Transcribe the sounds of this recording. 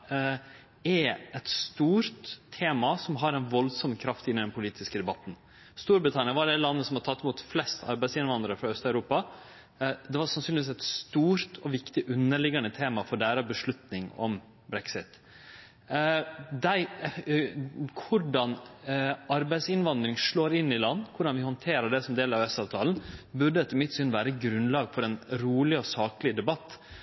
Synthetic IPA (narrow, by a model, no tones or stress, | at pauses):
ɛɛt̪st̪uːɾt̪ʰːeːmɑsɔmɦɑɾɛnʋɔlsɔmkʰɾɑft̪ɪnːɪd̪ɛnpʰʊliːt̪ʰɪskəd̪ɛbɑt̪n̩ | st̪uːɾbɾɪt̪ʰɑnɪɑʋɑɖ̪æɪlɑnːəsɔmhɑd̪ət̪ɑt̪ːɛmuːt̪flɛst̪ʰɑ̰ɾbæɪsɪnʋɑnd̪ɾəɾfɾɑœst̪ɑʉɾuːpɑ | d̪ɛʋɑʂɑnsyːnlɪʋiːsɛt̪st̪uːɾt̪ʰɔʋɪkt̪ɪʔʉnːəɭɪɡɑnət̪ʰeːmɑfɔɖæːɾɑbəʂɭʉt̪nɪŋɔ̰m | bɾɛksɪt̪ | d̪æɪ | kʰʊɖɑn | ɑɾbæɪsɪnʋɑnd̪ɾɪŋʂɭoːɾɪnːɪlɑnːkʰʊɖɑnʋɪhɔnt̪ʰeːɾəɖɛsɔmd̪eːləɾɑʋɛst̪ɑːʋt̪ʰɑːlnbʉɖəɛt̪ʰɪmɪt̪ːsɪnːʋæːɾəɡɾʉnlɑːɡfɔɾɛnɾuːlɪɔsɑːklɪd̪ɛbɑt̪ː